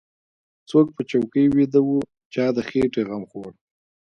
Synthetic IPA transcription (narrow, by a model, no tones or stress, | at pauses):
t͡sok̚pət͡ʃawkəjwed̪awu | t͡ʃɑd̪əxeʈeɣamxoɽ